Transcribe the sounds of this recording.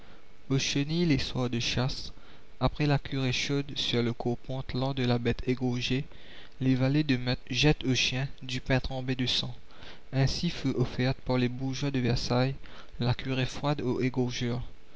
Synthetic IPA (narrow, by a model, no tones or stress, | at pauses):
oʃənileswaʁd̪əʃas | apχɛlakʲyʁeʃod̪syʁləkuʁpɔ̃t̪lɑ̃d̪əlabɛt̪ʰeɡɔʁʒe | levaled̪əmɛt̪ʒɛt̪oʃjɛ̃d̪ypɛ̃t̪χɑ̃bed̪əsɑ̃ | ɛ̃sifyʔɔfɛʁt̪paʁlebuʁʒwad̪əvɛʁsaj | lakyʁefχwad̪oʔeɡɔʁʒœʁ